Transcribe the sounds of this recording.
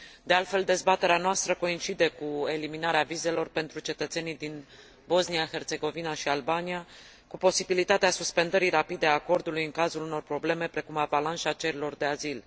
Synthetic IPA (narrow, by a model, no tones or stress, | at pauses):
d̪e̞alt̪fe̞ld̪e̞zbat̪e̞ɾeanoast̪ɾəko̞int͡ʃid̪e̞kue̞liminaɾeavize̞lo̞rpe̞nt̪ɾut͡ʃe̞t̪ət̪senijd̪in | bo̞znijaxe̞rt̪se̞ɡo̞vinaʃialbania | kupo̞sibilit̪at̪easuspe̞nd̪əɾirapid̪e̞ako̞rd̪ulujɨŋkazuluno̞rpɾo̞ble̞me̞pɾe̞kumabalanʃat͡ʃe̞ɾilo̞rd̪e̞azil